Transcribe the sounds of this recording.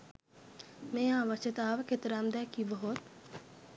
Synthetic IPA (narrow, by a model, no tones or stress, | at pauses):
mẽãːʋɐt͡ʃət̪aːʋkʰet̪ɾaːmd̪ɛkiːbəɦot̪